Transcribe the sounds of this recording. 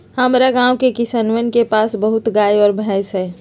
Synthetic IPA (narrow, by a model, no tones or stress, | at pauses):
həmɾaɡãːwkekɪsanʋənkepaːsbəɦʊt̪ɡaːjɔːɾbʱɛ̃ːsɦɛː